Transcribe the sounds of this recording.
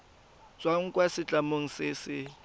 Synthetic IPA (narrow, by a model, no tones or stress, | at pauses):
t͡sʼwaŋ̩kʼwasɪt͡ɬʼamoŋ̩sɪsɪ